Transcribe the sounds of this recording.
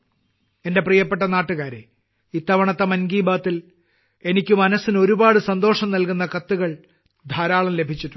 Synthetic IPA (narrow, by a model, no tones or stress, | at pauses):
e̞nde̞prijɐpːe̞ʈːɐnaːʈːuɣaːɾḛ | it̪ːɐʋɐɳɐt̪ːɐmɐnɡiːbaːt̪ːil | e̞nikʲːumɐnɐsino̞ɾubaːɽɨsɐnd̪o̞ːʂɐmnɐlkunːɐkɐt̪ːuɣɐɭ | d̪ʱaːɾaːɭɐmle̞bʱit͡ɕːiʈːu̥